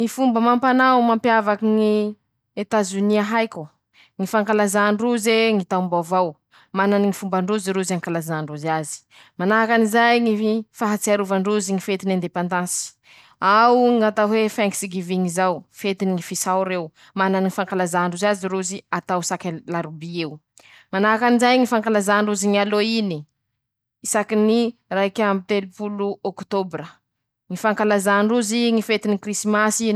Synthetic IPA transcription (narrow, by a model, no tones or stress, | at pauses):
ŋifumbəmampanawmampjavakiŋi | et̪azuniaɦajkʲu | ŋifaŋkalazaɳɖ͡ʐuzeŋit̪ambavaw | mananiŋifumbaɳɖ͡ʐuziɾuzaŋkalazaɳɖ͡ʐuzazi̥ | manaɦakanizajŋifaɦat͡siaɾuvaɳɖ͡ʐuziŋifet̪inand̪epand̪ãnsi̥ | awŋat̪aɦwefaŋkisiɡiviŋizawfet̪iniŋifisawɾew | mananŋifaŋkalazaɳɖ͡ʐuzaziɾuziat̪awsakʲalaɾubiew | manakanizajŋifaŋkalazaɳɖ͡ʐuziŋialoini | isakiniraikʲamit̪elupuluɔkt̪obrə | ŋifaŋkalazaɳɖ͡ʐuziŋifet̪inikrismasi